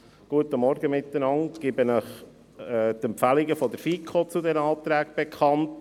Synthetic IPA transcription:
ɡ̥uətəmɔɾɡəmɪt̪ːənɑŋtɡ̥ɪbənəχ | ɛt̪ɛmpfæliɡəfɔd̪əɾfikʰot͡sudɛnəɑːt̪ɾæːɡb̥ɛkʰχɑnt

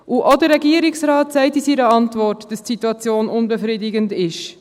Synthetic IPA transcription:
ʔuʔodəɾːɛɡiəɾiksrɑːtsæɪtisiɾəɑntvɔrtd̥ɑstsituɑt͡sjoːnʊnbɛfɾidɪɡəndɪʃ

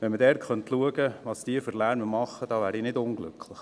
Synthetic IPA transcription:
ʋɛnmədɛɾtχœnt̪luəɡəʋɑːsd̥iːfəɾlæːnəmɑχəd̥ɑːʋæːɾinɪdʊŋɡlʏ̰kʰlɪχ

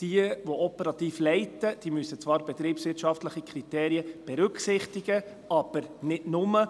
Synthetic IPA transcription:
d̥iəʋɔʔɔpəɾɑt̪iːflɛɪtəd̥iːmysət͡svɑːɾb̥ɛt̪ɾiːpsʋɪɾtʃɑftləχikʰɾiteːɾiəb̥ɛɾʉksɪχtiɡə | ɑb̥əɾnɪdnʊmə

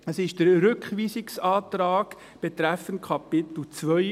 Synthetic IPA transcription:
əsɪʃd̥əɾɾʏkχʋiːsɪksɑːtɾɑːɡ̥ | b̥et̪ɾæfənt̚kʰɑpɪt̪l̩t͡sʋœ

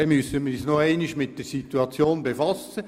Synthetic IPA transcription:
ɛmysəmɪɾisnoɛɪnɪʃmɪt̚d̥əɾsit̪uɑt͡sjoːnbefɑsə

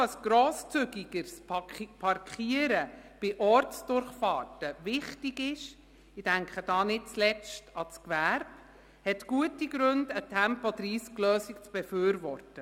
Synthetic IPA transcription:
əsɡ̥ɾoːst͡sʏɡiɡ̥əɾsppʰɑrkʰχiəɾəb̥ɪʔɔɾtsd̥ʊɾχfɑːtəʋɪχtiɡɪʃ | ɪd̥æŋkʰχəd̥ɑːnɪt̚t͡slɛt͡stɑt͡skʋæɾb | hɛtɡ̥uətiɡ̥ɾɵndətʰæmpɔdɾiːsklœːsikt͡sb̥ɛføːɾvɔrtə

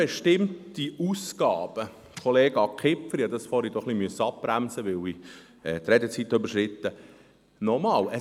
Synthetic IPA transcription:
eʃtɪmtiusɡ̥ɑːb̥ə | kʰɔleːɡ̥ɑkʰɪpfəɾjɑd̪ɑsfɔɾid̥̪ɔχlimyəsəɑp̚b̥ɾæmsəʋɪli | ɛːt̪rɛdɛt͡sit̪ːøbəɾʃrɪt̪ːə | nɔmɑːlə

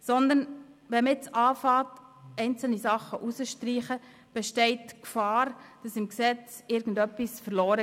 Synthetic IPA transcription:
sɔnd̪ən | ʋɛməɪt͡sɑːfɑːtɛɪnt͡sl̩nisɑχəʔusəʃtɾiːχə | b̥ɛʃtɛɪtkfɑːɾd̥ɑsɪmksɛt͡sɪɾɡən̩dœpːisfəɾlɔːɾə

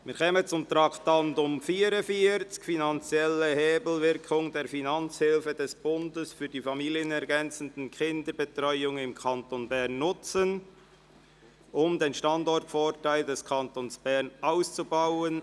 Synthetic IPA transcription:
miːɾkʰɛːmənt͡sʊmt̪ɾɑktɑndʊmfiːɾəfiːt͡skfinɑnt͡sjɛləheːbl̩vɪɾkʰʊŋdeːɾfinɑnt͡shɪlfədɛsb̥ʊndəsfyːdiːfɑmiːljənɛʁɡɛnt͡sən̩dn̩kʰɪndəɾbətʁɔʏʊŋɪmkʰɑntonbɛʁnːʊt͡sən | ʔʊmdeːnʃtɑndɔrtfoːɾtaɪldɛskʰɑntoːnsb̥ɛʁnaʊst͡subaʊən

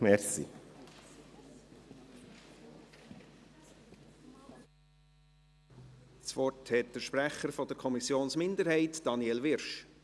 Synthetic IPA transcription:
mɛɾsḭ | t͡svɔrthɛt̚d̥əɾʃpɾæχəɾfɔd̥əɾkʰɔmisjoːnsmɪndəɾhɛɪtd̥ɑnjɛlʋɪɾʃ

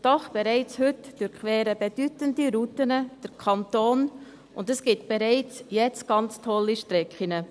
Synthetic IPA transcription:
d̥ɔχb̥eɾɛɪt͡shɵtd̥øɾkʰʋɛːɾəbed̥ytəndiɾutənəd̥əɾkʰɑntoːn | ʔʊndəsɡ̥ɪtb̥eɾɛɪt͡sjɛt͡sɡ̥ɑnt͡stʰɔlːiʃtɾɛkχinə

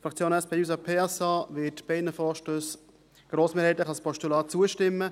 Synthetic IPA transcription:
fɾɑk̚t͡sjoːnɛspʰeːuːs̬apʰeːɛsɑːvɪtb̥ɛɪnəfɔːʃtøːs | ɡ̥ɾoːsmeːɾhɛɪt̪ləχɑlspʰɔʃtulɑːt͡suəʃtɪmːə

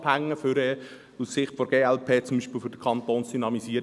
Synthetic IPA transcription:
phæŋːəfyɾɛ | ussɪχtfɔɾɡ̥eːɛlpʰeːt͡sʊmbiːʃpilfʏdəkʰɑnt̪oːnsd̥ynɑmisiːəɾ

